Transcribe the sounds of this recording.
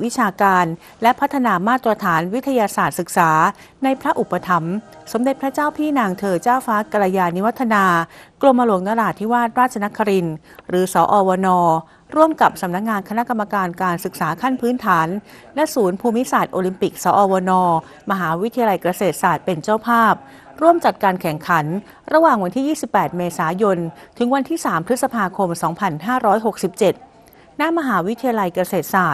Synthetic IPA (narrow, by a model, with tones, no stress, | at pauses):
wi˦˥t͡ɕʰaː˧kaː˧n | lɛ˦˥pʰa˦˥t̪ʰːa˧naː˧maː˥˩t̪ɾa˧t̪ʰaː˩˦nwi˦˥t̪ʰːa˧jaː˧saː˨˩t̪̚sɯ˨˩k̚saː˩˦ | na˧jpʰɾa˦˥ʔu˨˩pːa˧t̪ʰa˩˦m | so˨˩˦mde˨˩t̪̚pɾa˦˥t͡ɕaː˥˩wpʰiː˥˩naː˧ŋt̪ʰɤː˧t͡ɕaː˥˩wfaː˦˥ka˧ɾa˧jaː˧ni˦˥wa˦˥t̪ʰːa˧naː˧klo˧mːa˧lu˩˦ŋnaː˧ɾaː˧˩t̪ʰiː˦˥waː˥˩t̪̚ɾaː˥˩t̚t͡ɕʰa˧na˦˥kʰːa˧ɾi˧n | ɾɯː˩˦sɔː˩˦ʔɔː˧wɔː˧nɔː˧ | ɾu˥˩əmka˨˩p̚sa˨˦mna˦˥k̚ŋaː˧nkʰna˦˥ka˧mːa˧kaː˧nkaː˧nsɯ˨˩k̚saː˩˦kʰa˥˩npʰɯː˦˥nt̪ʰaː˩˦n | lɛ˦˥suː˩˦npʰuː˧mi˦˥saː˨˩t̪̚ʔoː˧li˧mpi˨˩k̚sɔː˩˦ʔɔː˧wɔː˧nɔː˧ | ma˧ɦaː˩˦wi˦˥t̪ʰi˧a˧la˧jkɾa˧seː˨˩t̪̚saː˨˩t̪̚pe˧nt͡ɕaː˥˩wpʰaː˥˩p̚ | ɾu˥˩əmt͡ɕa˨˩t̪̚kaː˧nkʰɛ˨˩ŋkʰa˩˦n | ɾa˧waː˨˩ŋwa˧nt̪ʰiː˥˩jiː˥˩si˨˩pːɛː˨˩t̪̚meː˧saː˩˦jo˧nt̪ʰɯ˩˦ŋwa˧nt̪ʰiː˥˩saː˩˦mpʰɾɯ˦˥t̪̚sa˧pʰaː˧kʰo˧msɔː˩˦ŋpʰa˧nɦaː˥˩ɾɔː˦˥jɦo˨˩k̚si˨˩p̚t͡ɕe˨˩t̪̚ | na˦˥mːa˧ɦaː˩˦wi˦˥t̪ʰi˧ja˧la˧jkɾa˧seː˨˩t̪̚saː˨˩t̪̚